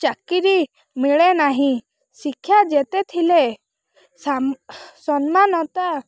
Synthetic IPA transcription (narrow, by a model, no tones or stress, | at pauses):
t͡ʃakiɾi | miɭenaɦĩ | sikʰːjad͡ʒet̪et̪ʰile | sasɔnmanɔt̪a